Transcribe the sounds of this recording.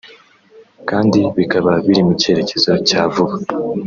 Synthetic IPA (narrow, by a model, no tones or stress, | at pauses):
kaːndiβikaβaβiɾimuce̞ːɾe̞ce̞zo̞caːvuβa